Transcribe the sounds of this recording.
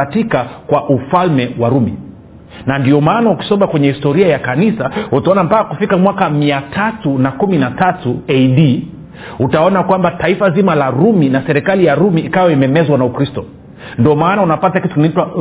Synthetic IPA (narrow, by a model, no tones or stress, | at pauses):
atikakwaʔufalmɛwaɾumḭ | nandiɔmaːnauki̥sɔɓakwɛɲɛhistɔɾiajakanisautaɔnampakakufikamwakamiatʰatunakuminatatuɛjɗi | utaɔnakwambataifazimalaɾuminasɛɾikalijaɾumiːkawɛimɛmɛzwanaukɾistɔ | ndiɔmaːnaunapatakitukinaitwa